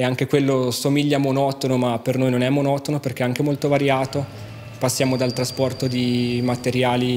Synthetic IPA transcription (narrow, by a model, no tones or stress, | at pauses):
eaŋk̟ekwelːosomiʎːamonɔt̪onomapːernojnonɛmːonɔt̪onoperkeɛaŋk̟emolt̪ovaɾjaːt̪o | pasːjaːmod̪alt̪ɾaspɔrt̪od̪imat̪eɾjaːli